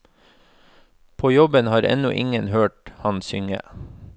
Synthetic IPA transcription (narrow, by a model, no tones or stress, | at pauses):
pʰoːjɔbənhɑːɾɛ̰nʊʔɪ̰ŋənhøːʈhɑnsʏŋə̰